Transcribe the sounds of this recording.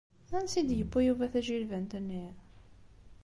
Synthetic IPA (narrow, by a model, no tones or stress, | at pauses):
θænsid̪jəpːujuvæθæʒilvænt̪ənːi